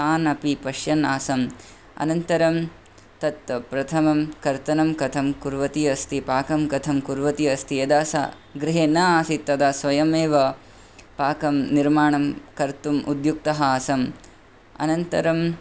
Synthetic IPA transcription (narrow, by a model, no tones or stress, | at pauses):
aːnɐpipɐʃjɐnaːsɐm | ɐ̰nɐnt̪ɐɾɐm | t̪ɐt̪ɐpɾɐt̪ʰɐmɐmkɐɾt̪ɐnɐmkɐt̪ʰɐmkuɾʋɐt̪iɐst̪ʰipaːkɐmkɐt̪ʰɐmkuɾʋɐt̪iɐst̪ijɐd̪aːsa̰ | ɡɾɪɦeːnɐaːsit̪ːɐd̪aːsʋɐjɐmeːʋɐ | paːkɐmniɾmaːɳɐmkɐɾt̪umʔud̪juk̚t̪ɐɦɐːsɐm | ɐ̰nɐnt̪ɐɾɐm